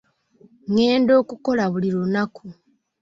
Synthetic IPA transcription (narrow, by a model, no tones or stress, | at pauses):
ŋe̞ːndo̞ːkuko̞laβuliɾunakʰu